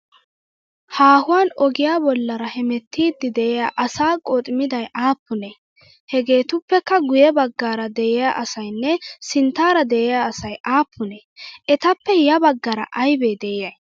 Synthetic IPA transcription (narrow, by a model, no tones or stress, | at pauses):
haːhʊwaːnɔɡɪjaːbɔlːɐɾɐhɛmɛt̪ːiːd̪ːɪd̪ɛʔɛjaːʔɐsaːkʼoːt̪ʼɪmɪd̪ɐjʔaːpːʊne | hɛɡe̞ːt̪ʊpːɛkːɐɡʊjɛbɐɡːaːɾɐd̪ɛʔɪjaːʔɐsɐjnːɛsɪnt̪aːɾɐd̪ɛʔɪjaːsɐjʔaːpːʊneːʔɛt̪ɐpːɛjɐbɐɡːɐɾɐ̰ʔɐjbeːd̪ɛjɐj